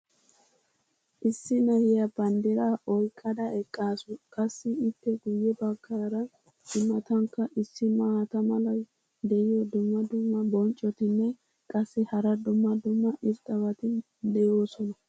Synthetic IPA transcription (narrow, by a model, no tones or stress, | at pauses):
ʔɪsːɪnɐjɪjɐbɐnd̪ɪɾaʔɔjkʼːɐd̪ɐɛkʼːaːsʊkʼɐsːɪːpːɛɡʊjːɛbɐkːaːɾɐ | ɪmːɐt̪ɐŋkːɐʔɪsːɪmaɐt̪ɐmɐlɐ | d̪ɛɪjɔd̪ʊmːɐd̪ʊmːɐbɔnt͡ʃʼːɔt̪ɪnːɛ | kʼɐsːɪhɐɾɐd̪ʊmːɐd̪ʊmːɐʔɪɾt̪ɐβɐt̪ɪn | d̪ɛjoːsɔnɐ